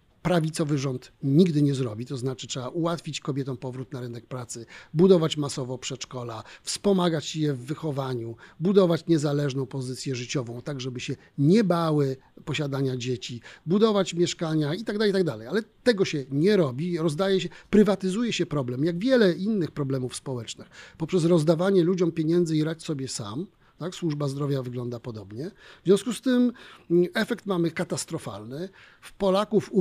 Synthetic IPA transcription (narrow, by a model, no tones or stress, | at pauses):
pɾavʲit̪sɔvɘʐɔnt̪ɲiɡd̪ɘɲɛzɾɔbʲit̪ɔznat͡ʂɘtʂɛbaʔuwat̪fʲit͡ɕkɔbʲjɛt̪ɔ̃w̃pɔvɾut̪̚naɾɘnɛk̚pɾat̪sɘbud̪ɔvat͡ɕmasɔvɔpʂɛt͡ʂkɔlafspɔmaɡat͡ɕjɛvːɘxɔvaɲubud̪ɔvat͡ɕɲɛzalɛʐnɔ̃w̃pɔzɘt̪sʲjɛʐɘt͡ɕɔvɔ̃w̃t̪aɡʐɛbɘɕɛ | ɲɛbawɘ | pɔɕad̪aɲad͡ʑet͡ɕibud̪ɔvat͡ɕmʲjɛʂkaɲait̪aɡd̪alɛjt̪aɡd̪alɛjalɛt̪ɛɡɔɕɛɲɛɾɔbʲiɾɔzd̪ajɛɕɛpɾɘvat̪ɘzujɛɕɛpɾɔblɛmjaɡvʲjɛlɛʔinːɘxpɾɔblɛmufspɔwɛt͡ʂnɘxpɔpʂɛsɾɔzd̪avaɲɛlud͡ʑɔmpʲjeɲɛnd̪zɘiɾat͡ɕsɔbʲjɛsa̰m | t̪akswuʐbazd̪ɾɔvʲjavɘɡlɔnd̪apɔd̪ɔbɲɛvzʲjɔ̃w̃skust̪ɘm | ɛfɛkt̪mamɘkat̪ast̪ɾɔfa̰lnɘ | fpɔlakufu